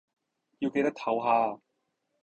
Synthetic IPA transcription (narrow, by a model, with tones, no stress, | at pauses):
ji˧wke˧jt̪ɐ˥k̚t̪ʰɐ˨˥wɦaː˧